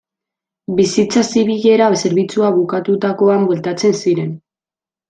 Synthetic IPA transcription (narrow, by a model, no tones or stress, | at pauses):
bisit͡sasiβiʎe̞ɾase̞ɾβit͡suaβukat̪ut̪ako̞ambwelt̪at͡se̞nsiɾe̞n